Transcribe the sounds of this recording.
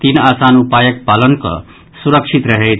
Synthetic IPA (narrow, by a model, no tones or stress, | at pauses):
t̪inaːsanupajəkpalənkʌ̰ | suɾəkʂʰit̪ɾəɦe